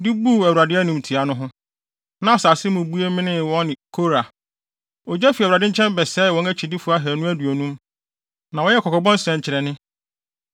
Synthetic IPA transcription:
dɪ˦bu˦˨æ˨wa˨dɪ˦æ˦nũ˨m˨tʰi˨a˨nʊ̃˦ɦʊ̃˦ | nã˦a˨sa˨sɪ˦mʊ̃˨bu˦e˦mɪ̃˦nɪ̃˦˨wɔ̃˦nɪ̃˨kʰo˦ɾa˨ | ɔ˨d͡ʑɛ˦fi˨wɾa˨dɪ̃˦ɲ̩˦t͡ɕʰɛ̃˦m˦bɛ˨sɛ˦˨ɔ̃˦næ˦t͡ɕʰi˨dɪ˦fu˨˦a˦ɦɛ˨nʊ̃˦æ˦du˨o˨nũ˦m | nã˨wɔ˦jɛ˦kʰɔ˨kɔ˨bɔ̃˦n̩˦sɛ̃˨ɲ˨t͡ɕʰɪ˨ɾɛ˨nɪ̃˦

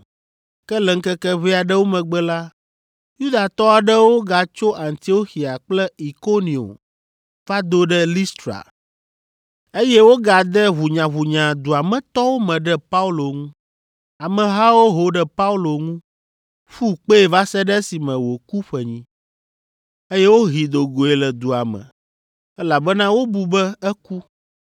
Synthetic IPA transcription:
kɛ˦lɛ˨ŋ̩˦kɛ˦kɛ˦vɛ˦a˨ɖɛ˦wo˦mɛ̃˨ɡ͡bɛ˦la˦ | ju˦d̪a˨t̪ɔ˦a˨ɖɛ˦wo˦ɡa˨t͡ʃo˦ʔa˨nt̪i˦o˦xi˨a˨k͡plɛ˦i˨ko˦nĩ˨o̰˨m | va˦d̪o˦ɖɛ˦li˦st̪ɾa̰˨ | e˦jɛ˦wo˦ɡa˨d̪ɛ˦βu˨ɲã˨βu˨ɲã˨d̪u˨a˨mɛ̃˨t̪ɔ˦wo˦mɛ̃˨ɖɛ˦pa˦u˦lo˨ŋũ˦ | a˨mɛ̃˨ɦa˦wo˦ɦo˦ɖɛ˦pa˦u˦lo˨ŋũ˦ | fu˦k͡pe˦e˨va˦sɛ˦ɖɛ˦si˨mɛ̃˨wo˨ku˦ɸɛ˨ɲĩ˦ | e˦jɛ˦wo˦ɦi˨d̪o˨ɡo˨e˨lɛ˨d̪u˨a˨mɛ̰̃˨ | ɛ˦la˨bɛ˦nã˦wo˦bu˨bɛ˦ɛ˦ku˦

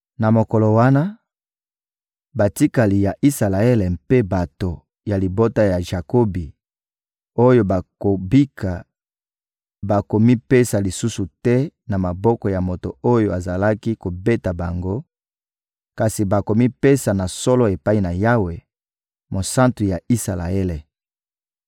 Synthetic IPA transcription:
na˨mo˨ko˨lo˨wa˦na˦ | ba˨ti˦ka˨li˨ja˨ʔi˦sa˨la˨e˦lɛ˨pe˦ba˨to˨ | ja˨li˨bo˦ta˦ja˨ʒa˨ko˦bi˨ | o˦jo˦ba˨ko˨bi˦kʰa˨ | ba˨ko˨mi˦pe˦sa˨li˨su˦su˨tɛ˦na˨ma˨bɔ˦kɔ˨ja˨mo˨to˨o˦jo˦˨a˨za˨la˦ki˦ko˨be˦ta˨ba˨ŋɡo˦ | ka˨si˨ba˨ko˨mi˦pe˦sa˨na˨sɔ˦lɔ˦e˨pa˦i˦na˨ja˦we˨ | mo˨sã˦ntu˨ja˨i˦sa˨la̰˨e˦lɛ˨

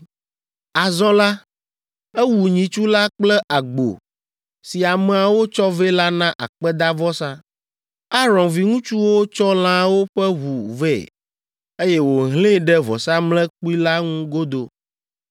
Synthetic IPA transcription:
a˨zɔ̃˦la˦ | ɛ˦wu˨ɲĩ˨t͡ʃu˦la˦k͡plɛ˦ʔa˨ɡ͡bo̰˨ | si˨a˨mɛ˨a˨wo˦t͡ʃɔ˦ve˦la˦nã˦ʔa̰˨k͡pɛ˦d̪a˦vɔ˦sã˦ | a˦ɾɔ̃˨nvi˨ŋũ˦t͡ʃu˦wo˦t͡ʃɔ˦l̃ã˦wo˦ɸɛ˦βu˨vɛ˦˨ | e˦jɛ˦wo˨ɦlẽ˦ɖɛ˦vɔ̰˨sa˦mlɛ̃˦k͡pu˦i˦la˦ŋũ˦ɡo˦d̪o˨

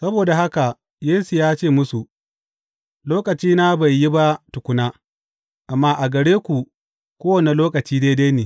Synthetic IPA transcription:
sɐ˦boː˨da˨ɦa˦ka˨ | jeː˦su˨jaː˦t͡ʃeː˦˨mʊ˦su˨ | loː˦kɐ˨t͡ʃiː˦na˦ba˨jːi˦ba˦tʊ˨kʷʊ˦naː˦ | ʔa˨mːaː˦ʔa˨ɡɐ˨ɽeː˦kʷu˨ | kʷoː˦wɐ˨ne˨loː˦kɐ˨t͡ʃiː˦deː˦deː˦jneː˨

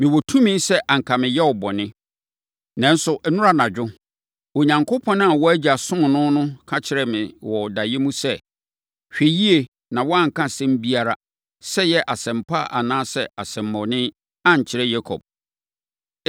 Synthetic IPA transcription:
mɪ̃˨wɔ˨tʰũ˦mɪ̃˦n˦sɛ˦ʔa˨ŋ̩˨kʰa˨mɪ̃˨jɛ˦ɔ˨bɔ˨nɪ̃˦ | nã˦n̩˦sʊ˨ʔɛ˦nʊ̃˦ɾa˨nã˨d͡ʑᶣʊ˦ | o˨ɲã˨ŋkʰʊ˦pʰɔ̃˦ñ˦a˨wɔ˦æ˦d͡ʑi˨a˨sʊ̃˦n˨nʊ̃˦nʊ̃˦kʰa˦t͡ɕʰɪ˨ɾɛ˨mɪ̃˨wɔ˨da˨jɛ˦mũ˦sɛ˦ | ɕᶣe˨ji˦e˨ | nã˨wɔ˦a˦ŋ̩˨kʰã˦sɛ̃˦m˦bi˦a˨ɾa˨ | sɛ˦jɛ˦ʔa˨sɛ̃˨m̩pʰa̰˦˨ʔa̰˨nãː˦sɛ˦a˨sɛ̃˨mː˦ɔ̃˨nɪ̃˦ | a˦ɲ̩˨t͡ɕʰɪ˨ɾɛ˦jɛ˦kʰɔ̰˨b̚

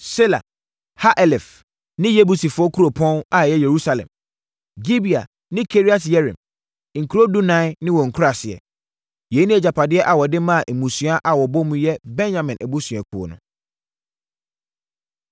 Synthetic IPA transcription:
sɪ˦la̰˨ | ha˦ʔɛ˨lɛ˨f | nɪ̃˦je˦bu˨si˨fʊ˨˦ɔ˦kʰu˦ɾo˨pʰɔ̃˦na˨jɛ˦je˨ɾu˦sa˨lɛ̰̃˨m | d͡ʑi˦bi˨a̰˨ | nɪ̃˦kʰe˦ɾi˦a˨tjɛ˦ɾḭ̃˨m˨ | ŋ̩˨kʰu˨ɾo˦du˦nã˦nɪ̃˦wɔ˨ŋ̩˨kʰu˦a˨sɪ˨ɛ̰˨ | je˨˦nĩ˦ɛ˨d͡ʑa˨pʰa˨dɪ˦ɛ˦ʔa˨wɔ˨dɪ˦mã˦˨ʔe˨mũ˨sũ˨˦a˦ʔa˨wɔ˨bɔ˦mũ˦jɛ˦bɛ̃˦njã˨mɪ̃˨nʔæ˨bu˦sɥ̃ɛ˨k̚ʰu˨o̰˨nʊ̰̃˦

